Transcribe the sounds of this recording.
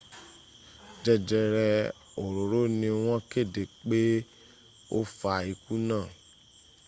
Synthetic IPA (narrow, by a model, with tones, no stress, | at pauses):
d͡ʒɛ˧d͡ʒɛ˧ɾɛ˧ | o˨ɾo˨ɾo˦nĩ˧w̃ɔ̃˦ke˦˨de˨k͡pe˦ | o˦fa˧i˧ku˦nãː˦˨